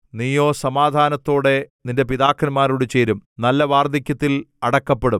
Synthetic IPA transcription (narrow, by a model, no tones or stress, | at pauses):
niːjo̞ːsɐmaːd̪ʱaːnɐt̪ːo̞ːɽe̞ninde̞piðaːkːɐnmaːɾuɽɨt͡ɕe̞ːɾumnɐlːɐʋaːrd̪ʱikʲːɐt̪ːilɐɽɐkːɐpːeɽum